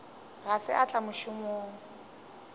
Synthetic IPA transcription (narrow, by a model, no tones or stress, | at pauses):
ɣasɪ̰ʔat͡ɬʼamʊʃʊmɔːŋ̩